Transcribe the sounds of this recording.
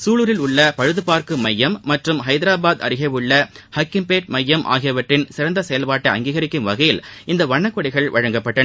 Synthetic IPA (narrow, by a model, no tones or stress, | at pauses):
suːɭɯɾɪlʊɭːɐpɐɻɯðɯpaːɾkɯmɐjːɐmːɐʈrɯmɦɐɪðɪɾaːbaːd̪ɐ̰ɾɪɣɐʋɯɭːɐ | hɐkːɪmpeːʈ̚mɐjːɐmʔa̰ːɣɪjɐʋɐʈrɪnsɪɾɐnd̪ɐsɛjɐlpaːʈːɐɐŋɡiːɣɐɾɪkːɯmʋɐɣɐjɪlʔɪnd̪ɐʋɐɳːɐkːɔɽɪɣɐɭʋɐɻɐŋɡɐpːɐʈːɐ